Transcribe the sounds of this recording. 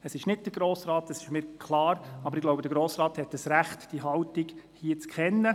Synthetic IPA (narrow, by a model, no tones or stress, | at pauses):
əsɪʃnɪt̚d̥əɾɡ̥ɾoːsɾɑːt̪əsɪ̥ʃmɪːɾkʰlɑːɾɑbəɾɪɡ̥loʊwbəd̥əɾɡɾoːsrɑːthɛtəsɾæχtd̥iɦɑwtiɡ̥hiət͡skʰɛnːə